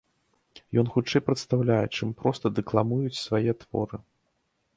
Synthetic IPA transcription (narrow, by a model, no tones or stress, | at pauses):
jɔnxut͡ʂɛjpɾɐt̪st̪awlʲajɛt͡ʂɨmpɾɔst̪ɐd̪ɛklˠamujut͡sʲsvajɛt̪v̥ɔ̰ɾɨ